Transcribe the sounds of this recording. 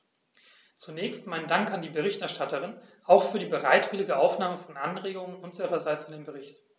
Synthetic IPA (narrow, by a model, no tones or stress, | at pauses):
t͡sunɛːçstmaɪnəndaŋkandiːbəʁ̞ɪçtɛɐʃtatəʁ̞ɪnʔaʊxfyːɐdiːbəʁa̰ɪtv̥ɪlɪɡəʔaʊfnaːməfɔnʔanʁeːɡʊŋənʔʊnziʁɐzaɪt͡sɪndeːnbəʁɪçt